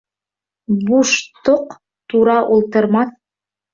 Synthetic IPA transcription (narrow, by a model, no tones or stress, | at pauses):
buʃt̪oq | t̪uɾɑʔulˠt̪ɤ̆ɾmɑθ